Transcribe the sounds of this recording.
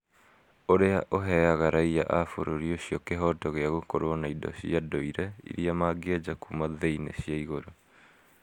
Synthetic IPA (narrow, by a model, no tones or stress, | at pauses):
oɾeaʔoɦɛaɣaɾaija̰ʔafo̰ɾoɾioɕiɔkeɦɔtɔɣeaɣokoɾonaidɔ̰ɕḭadoiɾɛḭɾiamaːɡed͡ʑakumaðeinḛɕiaiɣoɾo